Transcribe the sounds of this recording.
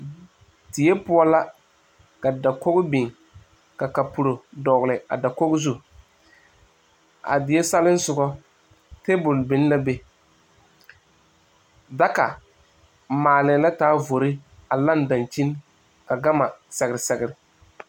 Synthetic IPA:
tɪ˨jɛ˦pʊ˦ɔ˦la˦ | ka˨da˨ko˦ɣbɪ˨ŋ | ka˨ka˨pu˨ɾo˨dɔ˨ɣlɪ˨a̰˨da˨ko˦ɡɪ˦zu˦ | a̰˨dɪ˨je˦sa˦lɪ˦n˦sʊ˨ɡɔ˦ | te˦bʊ˨lbɪ˨n˦la˦be˨ | da˦ka˨ | maː˨lɪ˨˦la˦taː˨˦vo˨ɾɪ˦a˨la˦nda˨nt͡ʃi˦n | ka˨ɡa˦ma˨sɛ˨ɣɪ˨ɾɪ˨sɛ˦ɡɪ˦ɾɪ˨

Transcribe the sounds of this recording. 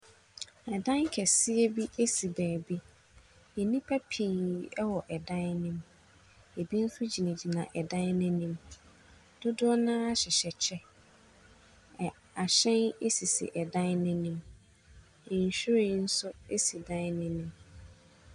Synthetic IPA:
ɛ˨dã˦ŋ˦kʰɛ˨sɪ˦ɛ˦bi˦e˦si˨bæː˨bi˦ | e˨nĩ˦pʰa˦pʰiː˨ɛ˦wɔ˨ʔɛ˨dã˦n˦nɪ̃˦m | e˨bi˦n̩˦sʊ˦d͡ʑi˨nã˨d͡ʑi˨nã˨ʔɛ˨dã˦n˦nɪ̃˦nɪ̃˦m | dʊ˦dʊ˦ɔ˦nãː˦a˦ɕɪ˨ɕɛ˨t͡ɕʰɛ˦˨ | a˨ɕɛ̃˦ne˦si˨sḭ˨ʔɛ˨dã˦nnɪ̃˦nʊ̃˦m | ɪ̃˨n̩˨ɕᶣɾi˦n̩˦sʊ˦e˦si˨dã˦n˦nɪ̃˦nʊ̃˦m

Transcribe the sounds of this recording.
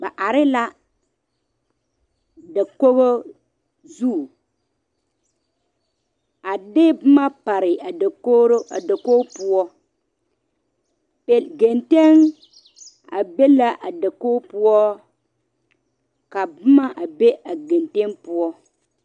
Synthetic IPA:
ba˨ʔa˨ɾɪ˦la˦ | da˨ko˦ɣo˦ | zu˦˨ | a˨dɪ˦bʊ˦ma˦pa˨ɾɪ˨a˨ko˦ɾo˦a˨da˨koː˦pʊ˦ɔ˦ | pe˦ɡe˨nte˦ŋ | a̰˨be˦la˦ʔa˨da˨koː˦pʊ˦ɔ˦ | ka˨bʊ˦ma˦ʔa˨be˦a˨ɡe˨nte˦npʊ˦ɔ˦

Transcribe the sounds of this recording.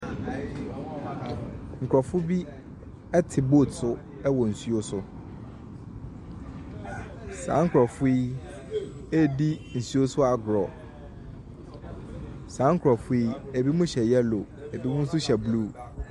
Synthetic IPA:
ŋ̩˨kʰɾɔ˨fʊ˦bi˦ | ɛ˦tʰɪ˨boː˦˨tsʊ˦ | ɛ˦wɔ˨n̩˨su˦o˦sʊ˦ | sã̰ː˨˦ŋ̩˦kʰɾɔ˨fʊ˦i˦ | e˦di˦n̩˨su˦o˦sʊ˦a˨ɡɾɔ˨ | sãː˨˦ŋ̩˦kʰɾɔ˨fʊ˦i˦e˨bi˦mʊ̃˦ɕɛ˨jɛ˦lo˨e˨bi˦mʊ̃˦n̩˦sʊ˦ɕɛ˨bluː˦˨

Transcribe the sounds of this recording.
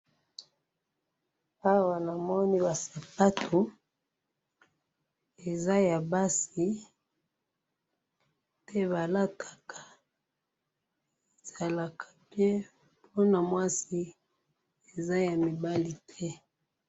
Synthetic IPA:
a˦wa˨na˨mɔ˦ni˦ba˨sa˨pa˦tʰo˨ | e˨za˦ja˨ba˦si˦ | tɛ˦βa˨la˦tʰa˨kʰa˨ | e˨za˨la˨kʰa˨bje˦ | pʰo˦na˨mwa˦si˦ | e˨za˦ja˨mi˨ba˦li˨tʰɛ˦

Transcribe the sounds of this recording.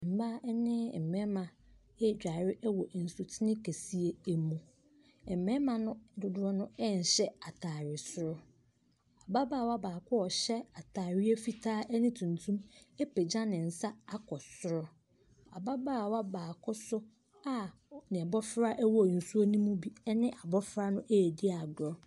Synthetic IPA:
m̩˨ba˦ɛ˦nɪ̃˦˨mɛ̃˦mã˨ | ɛ˦˨d͡ʑᶣa˨ɾɪ˦ʔɛ˦wɔ˨n̩˨su˨tʰɪ˦nɪ̃˦kʰe˨si˦e˦e˨mũ˨ | ɛ˨m˨mɛ̃˦mã˨nʊ̃˦dʊ˨dʊ˦ɾɔ˦nʊ̃˦ɛ˦n̩˨ɕɛ˦a˨tʰaː˨ɾɪ˨sʊ˦ɾʊ˦ | a˨ba˦baː˦˨wa˦baː˨kʰʊ˦ɔ˨ɕɛ˦a˨tʰaː˨ɾɪ˦ɛ˦fi˦tʰaː˦ʔɛ˦nɪ̃˦tʰũ˨ntʰũ˦me˦pe˨d͡ʑã˦nɪ̃˨n̩˨sa˦a˦kʰɔ˨sʊ˦ɾɔ˦ | a˨ba˦baː˦˨wa˦baː˨kʰʊ˦sʊ˦ | a˦ | nɪ̃˨ɛ˨bɔ˦fɾa˦ʔɛ˦wɔ˨n̩˨su˦o˦nĩ˦mũ˦bi˦ɛ˦nɪ̃˦ʔa˨bɔ˦fɾa˦nʊ̃˦ʔeː˦˨di˦a˨dɔ˦

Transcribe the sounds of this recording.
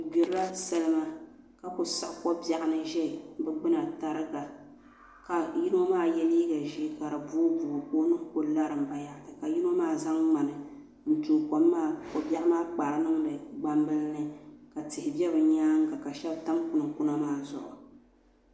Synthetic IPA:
bi˨ɾa˦sa˦lɨ˦ma˦ | ka˨kʊ˨sa˦ʔkɔ˦bja˨ʔa˨nɨ˦ʒɛ˦bɛ˦ɡ͡bɨ˦na˨ta˦ɾɨ˦ɡa˨ | ka˨ji˦no˦maː˦˨jɛ˦liː˦ɡa˨ʒi˦ka˨ɾa˨buː˦bu˨koː˦nɨ˦ŋ˦ko˦la˦ɾɨ˨m˨ba˨ja˨tɨ˨ka˨ji˦no˦maː˦˨za˦ŋŋ͡ma˨nɨ˨ | n̩˨tuː˨ko˦mːaː˦˨kɔ˨ba˦ʔa˦maː˦k͡pa˨ɾɨ˦nɨ˦ŋdɨ˨ɡ͡ba˦mbɨ˦lnɨ˦ka˨tɪ˨hɪ˨bɛ˦bɨ˨ɲaː˦ŋ̩˦ka˨ka˨ʃɛ˦bta˦mkʊ˨nɨ˨ŋkʊ˦na˦maː˦˨zʊ˨ʔʊ̰˨

